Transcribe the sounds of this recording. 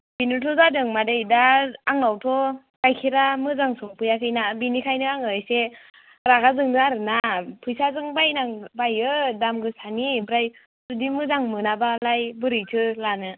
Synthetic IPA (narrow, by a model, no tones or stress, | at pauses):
b̥inɯtʰɔzadɯŋmadejdaaŋawtʰɔ | kajkʰiɾamɯzaŋsɔŋpʰɯjakʰɯjnabinikʰajnɯaŋɯjse | ɾaɡazɯŋnɯaɾɯnapʰɯjsazɯŋbajnaŋbajɯdamɡɯsanibɾaj | sudimɯzaŋmɯnabalajbɯɾɯjtʰɯlanɯ